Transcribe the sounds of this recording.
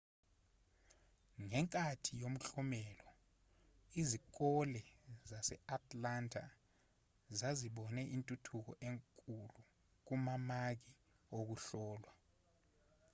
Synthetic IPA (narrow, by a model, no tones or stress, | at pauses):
ŋɛŋkʼatʰijom̩ɬɔmɛlɔ | izik̬ɔlɛzasɛatʰʼlantʰʼa̰ | zaziɓɔnɛʔintʼutʰuk̬ɔ̰ʔeŋkʼulu | k̬umamak̬i | ok̬uɬɔːlwa